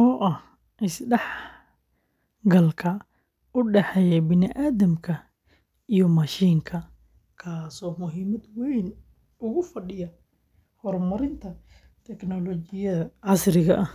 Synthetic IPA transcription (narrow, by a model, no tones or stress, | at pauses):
ʔɔːʔɐh | ʔɪsɖɛħ | ɡɐlkʰɐ | ʊɖɛħɛjɛbɪnɪʔaːðɐmkʰɐ | ijɔmɐʃiːŋkʰɐ | kʰaːsɔːmʊɦiːmɐd̪wɛjn | ʊɣʊfɐɖɪjɐ | hɔrmɐɾɪnt̪ʰɐ | t̪ʰɛknɔlɔt͡ʃɪjɐðɐʕɑsrɪɣɐʔɐh